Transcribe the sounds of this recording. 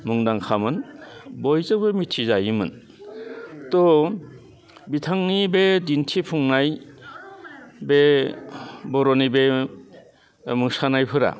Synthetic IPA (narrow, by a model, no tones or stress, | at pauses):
muŋdaŋkʰamɯnbɔjzɯkbemitʰizajimɯ̰n | tɔ | bitʰaŋnibedintʰipʰuŋnaj | be | bɔɾɔnibe | mɯŋsanajpʰɯɾa̰